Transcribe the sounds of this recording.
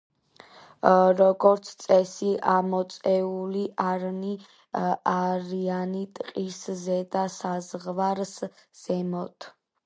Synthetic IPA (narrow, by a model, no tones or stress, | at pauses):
ɾɔɡɔɾt̪sʰt̪sʼɛsiʔamɔt̪sʼɛuliʔaɾni | aɾianit̪ʼqʼiszɛd̪asazʁvaɾsz̥ɛmɔt̪ʰ